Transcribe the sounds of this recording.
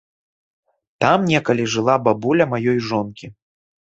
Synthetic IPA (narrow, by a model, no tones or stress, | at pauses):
t̪amnʲɛkɐlʲiʐɨlˠababulʲɐmajɔjʐɔnkʲi